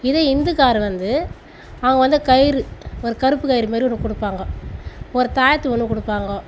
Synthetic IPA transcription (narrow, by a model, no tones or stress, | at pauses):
ɪðeɪnd̪ɯkaːɾɯʋɐnd̪ɯ | ɐʋɐŋɡɐʋɐnd̪ɯkɐjɪɾɯɔɾɯkɐɾɯpːɯkɐjɪɾɯmeːɾiɔnːkːɔɽɯpːaːŋɡɐ | ɔɾɯt̪aːjɐt̪ːɯɔnːkɔɽɯpːaːŋɡɐ